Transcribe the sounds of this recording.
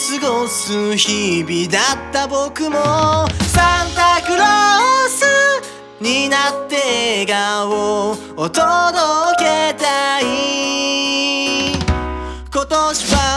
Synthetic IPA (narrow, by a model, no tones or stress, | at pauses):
sɨɡosɨçibʲid̪at̪ːabokɯ̟mosãnt̪akɯ̟ɾosɨ | ɲ̟inat̪ːe̞ɡao | ot̪od̪oket̪ai | ko̞t̪oɕiβa